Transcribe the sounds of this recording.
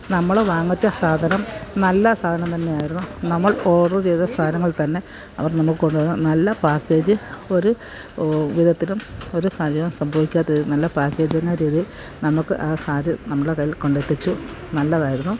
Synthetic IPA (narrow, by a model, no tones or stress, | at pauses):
nɐmːɐɭeʋaːŋːit͡ɕːɐsaːd̪ʱɐnɐmnɐlːɐsaːd̪ʱɐnɐmt̪ɐnːejaːjiɾunːunɐmːɐɭo̞ːɽt͡ɕejt̪ːɐst̪aːd̪ʱɐnɐŋːɐɭt̪ɐnːe̞ | ɐ̰ʋɐrnɐmːukːɨko̞ɳɖɨnːunɐlːɐpaːkːe̞ːd͡ʑɨo̞ɾu | ʋid̪ʱɐt̪ːilumo̞ɾukaːɾjɐʋɐmsɐmbʱɐʋikʲːaːt̪ːɐiðɨnɐlːɐpaːkːe̞ːd͡ʑɨɐnaːɾiːðijil | nɐmːukːɨʔasaːɾɨnɐmːɐɭɽekɐjːilko̞ɳɖet̪ːit͡ɕːu | nɐlːɐðaːjiɾunːu